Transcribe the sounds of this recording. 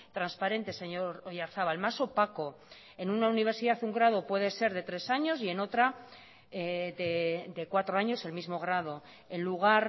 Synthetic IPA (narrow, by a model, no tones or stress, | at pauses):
t̪ɾanspaɾe̞nt̪e̞se̞ɲoɾojaɾθaβalmaso̞pako̞ | e̞nunauniβ̞e̞ɾsiðaθuŋɡɾað̞o̞pwe̞ð̞e̞se̞ɾðe̞t̪ɾe̞saɲo̞sie̞no̞t̪ɾa | ded̪e̞kwat̪ɾo̞aɲo̞se̞lmizmo̞ɣ̞ɾað̞o̞ | e̞nluɣ̞aɾ